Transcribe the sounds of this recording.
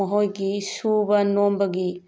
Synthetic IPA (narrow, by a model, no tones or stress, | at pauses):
ɐɦojɡisubɐnombɐɡi